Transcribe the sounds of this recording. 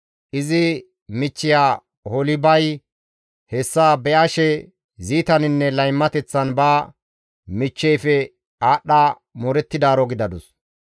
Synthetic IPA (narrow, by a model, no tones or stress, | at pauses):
ʔɪzɪ | mɪt͡ʃːɪjaː | hɔlɪbɐj | hɛsːaːbɛʔɐʃɛ | ziːt̪ɐnɪnːɛlɐjmːɐt̪ɛt͡sːɐnbaː | mɪt͡ʃːɛjfɛ | aːɗːa | mɔɾɛt̪ːɪd̪aːɾɔɡɪd̪ɐd̪ʊs